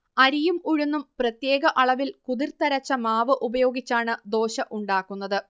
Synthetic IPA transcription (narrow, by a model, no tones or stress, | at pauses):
ɐɾijumuɻunːumprɐt̪je̞ːɡɐʔɐɭɐʋilkuðirt̪ɐɾɐt͡ɕːɐmaːʋɨʔubɐjo̞ːɡit͡ɕːaːɳɨd̪o̞ːɕɐʔuɳɖaːkːunːɐðɨ